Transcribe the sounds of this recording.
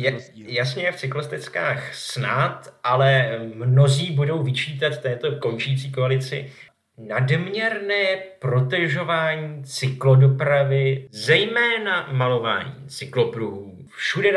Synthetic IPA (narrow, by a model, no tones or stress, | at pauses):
jɛ | jasɲɛjɛft͡sɪklost̪ɛt͡ska̰ːxsnat̪ʔalɛmno̞ziːbudo̞wvɪt͡ʃiːt̪at̪t̪ːɛːt̪o̞ko̞nt͡ʃiːt͡siːkoalɪt͡sɪ̰ | nadmɲɛɾnɛːpɾo̞t̪ɛʒo̞vaːɲiːt͡sɪklo̞do̞pɾavɪzɛjmɛːnamalo̞va̰ːɲḭːt͡sɪklo̞pɾuɦuː | fʃudɛ